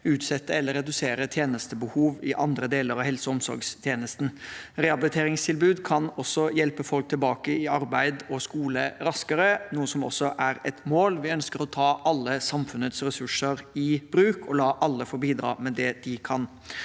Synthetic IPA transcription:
ʉːt̪sɛt̪ːəɛlːəɾɛd̪ʉseːɾət̪ʰjeːnəst̪əbəhuːʋɪʔɑnd̪ɾəd̪eːləɾɑʋhɛlsɔɔmsɔ̰ɾɡst̪ʰjeːnəst̪n̩ɾɛɑbɪlɪt̪ʰeːɾɪŋst̪ʰɪlbʉːd̪kʰɑnɔsɔjɛlpəfɔlk̚t̪ʰɪlbɑːkəɪɑɾbæɪd̪ɔskuːləɾɑskəɾənuːəsɔmɔ̰sːɔʔæɾɛt̪moːlʋɪœnskəɾɔt̪ʰɑːʔɑlːəsɑmfʉnət̪sɾɛsʉʂəɾɪb̥ɾʉːkʰɔlɑːʔɑlːəfoɾbiːd̪ɾɑ̰ːmɛd̪ɛd̪ɪkʰɑn

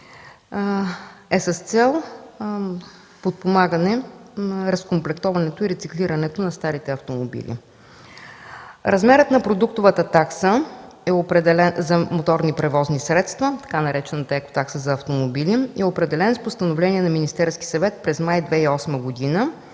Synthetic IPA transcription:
ɛsəst̪sɛlˠ | pot̪̚pomaɡənɛ | ɾɐskomplɛkt̪ɔvɐnɛt̪oiɾɛt̪sikliɾɐnɛt̪onɐst̪aɾit̪ɛɐft̪omobḭlḭ | ɾɐzmɛɾət̪nɐpɾod̪uk̚t̪ʊvət̪ət̪aksə | ɛopɾɛd̪ɛlɛnzɐmot̪ɔɾnipɾɛvɔznisɾɛt̪st̪vət̪ɐ̥kanɐɾɛt͡ʃɛnət̪əɛko̥t̪aksəzɐːft̪omobiliiɛopɾɛd̪ɛlɛnspost̪ɐnovlɛniɛnɐminist̪ɛɾski̥sɐvɛt̪̚pɾɛzmajd̪vɛiɔsməɡod̪inə

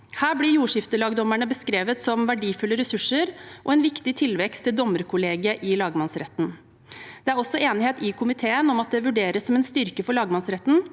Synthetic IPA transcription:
hæːɾblɪjuːʂɪft̪əlɑːɡd̪ɔmæɳəbəskɾeːʋət̪sɔmʋæɖiːfʉlːəɾɛsʉʂːəɾʔɔ̰ɛnʋɪkt̪ɪt̪ʰɪlʋɛkst̪ʰːɪld̪ɔməɾkʰʊleːɡəʔɪlɑːɡmɑnsɾɛt̪ːn̩ | d̪̥ɛæɾɔsːɔeːnɪheːt̪ɪkʰʊmɪt̪ʰeːənɔmɑt̪̚d̪ɛʋʉɖeːɾəsːɔmɛnst̪ʏɾkəfɔɭɑːɡmɑnsɾɛt̪ːn̩

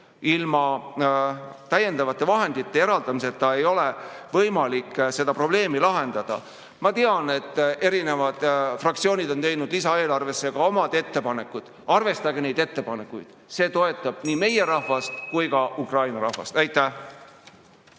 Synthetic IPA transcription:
ilmɑ | t̪æje̞nd̪ɑvɑt̪ˑːe̞vɑɦe̞nd̪̥it̪ːe̞e̞ɾɑld̪̥ɑmis̬e̞t̪ːɑe̞jo̞levɤjmɑlikːse̞d̪̥ɑpro̞b̥le̞ːmilɑɦe̞nd̪̥ɑd̪̥ɑ̰ | mɑt̪eɑne̞t̪ːˑe̞ɾine̞vɑd̪̥frɑk̚t̪sio̞ːnid̪o̞nt̪e̞jnud̪lisɑe̞ːlɑrve̞sːeɡ̥ɑo̞mɑd̪̥e̞t̪ːe̞pɑne̞kːˑud̪̥ | ɑrve̞st̪ɑɡene̞jd̪e̞t̪ːe̞pɑne̞kːˑujd̪̥ | se̞ːt̪o̞e̞t̪ːˑɑb̥niːme̞je̞ɾɑhvɑst̪kujkɑʔukrɑjnɑɾɑhvɑ̰st̪æjt̪ˑːæh

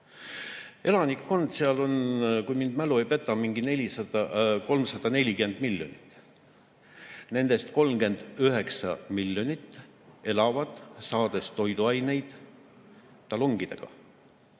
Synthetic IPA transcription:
e̞lɑnikːo̞nd̪̥seɑlo̞nkujmind̪mæluejpe̞t̪ːˑɑmiŋɡine̞lʲisɑd̪ɑko̞lmsɑd̪̥ɑne̞lʲikyme̞nd̪̥milʲːjo̞̰nit̪ːˑ | ne̞nd̪̥e̞st̪ko̞lmɡ̥e̞nd̪̥yɦe̞ksɑ̰milːjonʲit̪ːˑ | e̞lɑvɑd̪̥sɑːd̪̥e̞st̪o̞jd̪uɑjne̞jd̪̥ | ɑloŋɡ̥id̪̥e̞̰ɡ̥ɑ̰

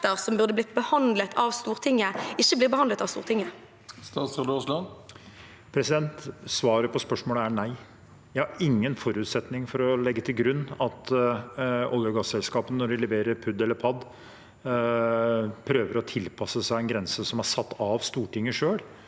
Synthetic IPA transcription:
əɾsɔmbʉʁd̪əblɪt̪̚bəhɑnd̪lət̪ʰɑʋst̪uːʁt̪ʰɪŋːəɪçːəbliːbəhɑnd̪ət̪ɑʋstṵːʁt̪ʰɪŋːə | st̪ɑːt̪sɔloslɑn | pʰɾɛsɪd̪ɛnt̪sʋɑːɾəpʰɔspœʂmoːləænæɪ | jæhɑɾɪŋːənfɔɾʉːt̪sɛt̪nɪŋfɔɾɔlɛɡːət̪ʰɪlɡɾʉnːɑt̪ | ɔljəɡɑsːɛlskɑːpənnɔɖɪlɛʋeːɾəɾpʰʉd̪ːɛlːəɾpʰɑd̪ | pʰɾøːʋəɾɔt̪ʰɪlpʰɑsːəsæɪɛnɡɾɛnsəsɔmhɑsɑt̪ːɑʋst̪uːʈɪŋːəʂøːɽ

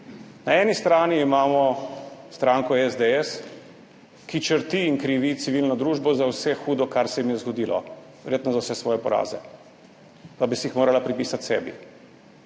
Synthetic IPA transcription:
naɛnist̪ɾaːniːmaːmɔst̪ɾaːŋkɔɛzd̪ɛɛs | kit͡ʃəɾt̪iːŋkɾiʋit̪siʋilnɔd̪ɾuːʒbɔzawsɛxuːd̪ɔkaɾsɛjimijɛzɡɔd̪ilɔ̰ | ʋɛɾjeːt̪nɔzawsɛsʋɔːjɛpɔɾa̰ːzɛ̰ | pabisiixmoːɾalapɾipiːsat̪sɛ̰ːbḭ

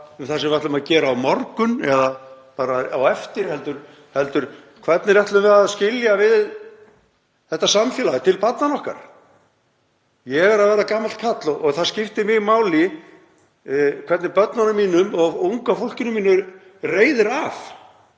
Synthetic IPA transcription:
θasɛmvɛht̪lʏmaðcɛːɾaːwmɔɾkʏnɛða | paːɾaawɛft̪ɪɾ̥hɛl̪t̪ʏɾ̥ | hɛlt̪ʏɾ̥ | kʰvɛt̪nɪrɛht̪lʏmvɛɾaðscɪljavɪð | θɛht̪ːasamfjɛːlaʏt̪ʰɪlpat̪nanɔhka̰ɾ̥ | jɛɣɛɾaðvɛːɾakaːmalt̪kʰat̪lɔɣʔɔɣθaðscɪft̪ɪmɪɣmaːwlɪ | kʰvɛɾt̪nɪpœt̪nanʏmiːnʏmɔɣuŋkafowl̥cɪnʏmiːnʏ | reːjðɪɾaf

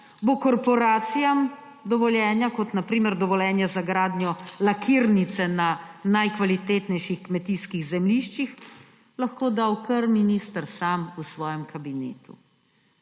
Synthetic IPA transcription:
bokɔɾpɔɾaːt̪sijam | d̪ɔʋɔljɛːnjakɔt̪napɾiːmɛɾd̪ɔʋɔlɛːnjazaɡɾaːd̪njɔlakʰiɾnit̪sɛnanajkʋalit̪eːt̪nɛjʃixkmɛt̪iːskiɣzɛmliʃt͡ʃix | lɐxkoːd̪awkəɾminist̪əɾsaːmusʋɔːjɛmkʰabinḛːt̪ṵ

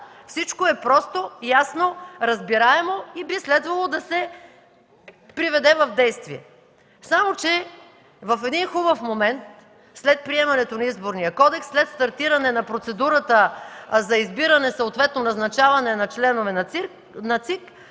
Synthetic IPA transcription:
fsit͡ʃkoɛpɾɔst̪ojasnoɾɐzbiɾaɛmoibislɛd̪vɐlˠod̪ɐsɛ | pɾivɛd̪ɛvɐvd̪ɛjst̪viɛ̰ | samot͡ʃɛ | vɐfɛd̪inxubəfmomɛnt̪ | slɛt̪̚pɾiɛmɐnɛt̪onɐizboɾnijəkɔd̪ɛksːlɛt̪st̪ɐɾt̪iɾɐnɛnɐpɾot̪sɛd̪uɾət̪əzɐizbiɾɐnɛsəot̪vɛt̪nonɐznɐt͡ʃavɐnɛnɐt͡ʃlɛnovɛnɐ | nɐt̪sik

